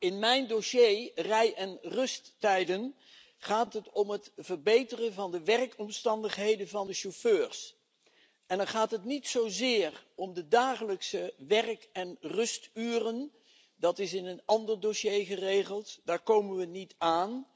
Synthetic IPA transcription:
ɪnmɛjndoʃejrɛjʔɛnrɵstːɛjdən | χaːtɦətɔmɦətvəɹbejtərənvɑndəʋɛrkɔmstɑndəχɦejdənvɑndəʃoføːɹs | ʔɛnəɹχaːtɦətnitsowzɪːrɔmdədaːχələksəʋɛrkɛnrɵstyːrən | dɑtɪsɪnənɑndəɹdoʃejχərejχəlˠtd̥aːɹkowmənʋənitaːn

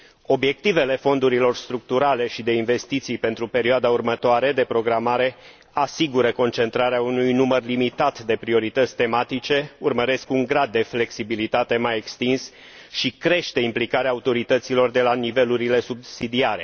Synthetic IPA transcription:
o̞bje̞k̚t̪ive̞le̞fo̞nd̪uɾilo̞rst̪ɾuk̚t̪uɾale̞ʃid̪e̞inve̞st̪it̪sijpe̞nt̪ɾupe̞ɾioad̪aurmət̪oaɾe̞d̪e̞pɾo̞ɡɾamaɾe̞ | asiɡuɾəko̞nt͡ʃe̞nt̪ɾaɾeaunujnumərlimit̪at̪d̪e̞pɾio̞ɾit̪ət̪sʲt̪e̞mat̪it͡ʃe̞urməɾe̞skuŋɡɾad̪̚ːe̞fle̞ksibilit̪at̪e̞majekst̪ins | ʃikɾe̞ʃt̪e̞implikaɾeaːut̪o̞ɾit̪ət̪silo̞rd̪e̞lanive̞luɾile̞subsid̪iaɾe̞̰

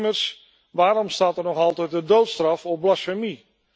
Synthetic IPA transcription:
mərs | ʋaːɾɔmstaːtərnɔxɑlˠtɛt̚dədoːtstrɑfɔp̚blasəmi

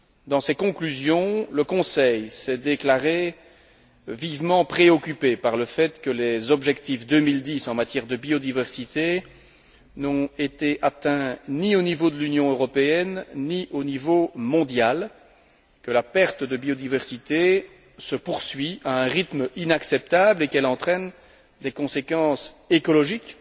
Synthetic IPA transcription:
d̪ɑ̃sɛkɔ̃klyzjɔ̃ləkɔ̃sɛjsɛd̪eklaʁe | vivmɑ̃pχeɔkʲypepaʁləfɛt̪kəlezɔbʒɛkt̪ifd̪ømild̪isɑ̃mat̪jɛʁd̪əbiod̪ivɛʁsit̪e | nɔ̃et̪eʔat̪ɛ̃nionivod̪əlynjɔ̃øʁɔpeɛnːiʔonivomɔ̃d̪jal | kəlapɛʁt̪əd̪əbijod̪ivɛʁsit̪e | səpuʁsɥiaɛ̃ʁit̪minaksɛp̚t̪ablekɛlɑ̃t̪χɛn | d̪ekɔ̃sekɑ̃sekɔlɔʒik

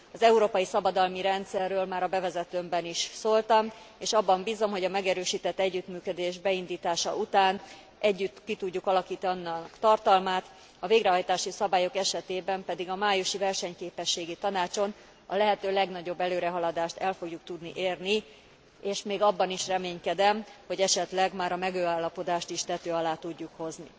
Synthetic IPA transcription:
ɒzɛuɾoːpɒjisɒbɒd̪ɒlmiɾɛnt̪sɛrːøːlmaːɾɒbɛvɛzɛt̪ømbɛniʃsoːlt̪ɒm | eːʃɒbːɒmbiːzo̞mɦo̞ɟɒmɛɡɛɾøːʃiːt̪ɛt̪ːɛɟːyt̪myːkød̪eːʒbɛind̪iːt̪aːʃɒ̰ut̪aːn | ʔɛɟːyt̪ːkit̪uɟːukɒlɒkiːt̪ɒnkt̪ɒrt̪ɒlmaːt̪ | ɒveːɡɾɛɦɒjt̪aːʃisɒbaːjokɛʃɛt̪eːbɛmpɛd̪iɡɒmaːjuʃivɛrʃɛɲkeːpɛʃːeːɡit̪ɒnaːt͡ʃo̞n | ɒ̰lɛɦɛt̪øːlɛɡnɒɟo̞bːɛløːɾɛɦɒlɒd̪aːʃt̪ɛlfo̞ɡjuk̚t̪ud̪niʔeːrni | eːʃmeːɡɒbːɒniʃrɛmeːɲkɛd̪ɛmho̞ɟɛʃɛt̪lɛɡmaːɾɒmɛɡøːaːlːɒpo̞d̪aːʃt̪iʃt̪ɛt̪øːɒlaːt̪uɟːukho̞zni

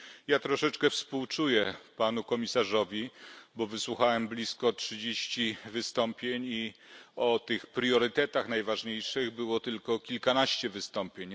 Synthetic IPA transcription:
jat̪ɾɔʂɛt͡ʂkɛfspuwt͡ʂujɛpanukɔmʲisaʐɔvʲibɔvɘswuxawɛmblʲiskɔtʂɘd͡ʑeɕt͡ɕivɘst̪ɔmpʲjeɲiɔt̪ɘxpɾjɔɾɘt̪ɛt̪axnajvaʐɲejʂɘɣbɘwɔt̪ɘlkɔkʲilkanaɕt͡ɕɛvɘst̪ɔmpʲjeɲ

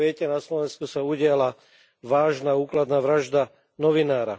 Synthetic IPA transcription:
ɛcɛnaslɔʋɛnskusauɟɪala | ʋaːʒnauːklad̪naːʋɾaʒd̪a | nɔʋinaːɾa

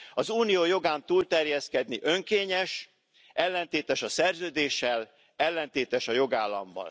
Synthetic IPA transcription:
ɒzuːnijoːjo̞ɡaːnt̪uːlt̪ɛrjɛskɛd̪̚niʔø̞ŋkeːɲɛʃ | ʔɛlːɛnt̪eːt̪ɛʃɒsɛrzøːd̪eːʃːɛl | ɛlːɛnt̪eːt̪ɛʃɒjo̞ɡaːlːɒ̰mbɒ̰l

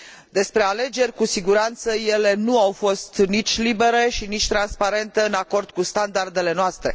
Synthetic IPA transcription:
d̪e̞spɾe̞ale̞d͡ʒe̞rʲkusiɡuɾant̪səje̞le̞nuawfo̞st̪nit͡ʃʲlibe̞ɾe̞ʃinit͡ʃʲt̪ɾanspaɾe̞nt̪eɨnako̞rd̪̥̚kust̪and̪ard̪e̞le̞noast̪ɾe̞̰

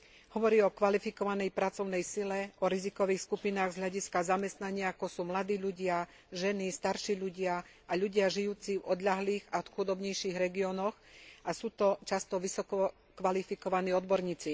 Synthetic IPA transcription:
hɔʋɔɾiːɔkʋalifikɔʋanɛjpɾat͡sɔʊnɛjsilɛɔɾizikɔʋiːxskupinaːɣzɦlaɟiskazamɛst̪naɲɪaakɔsuːmlad̪iːʎuɟɪa | ʒɛnist̪aɾʃiːʎuɟɪa | aʎuɟɪaʒijuːt͡sivɔd̪ʎaɦliːɣaɔt̪xud̪ɔbɲɛjʃiɣɾɛɡiɔnɔx | ʔasuːt̪ɔt͡ʃast̪ɔʋisɔkɔ | kʋalifikɔʋaniːɔd̪bɔɾɲiːt͡si

